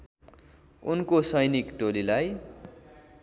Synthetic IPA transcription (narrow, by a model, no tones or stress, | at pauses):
unkosʌjnikʈolilaj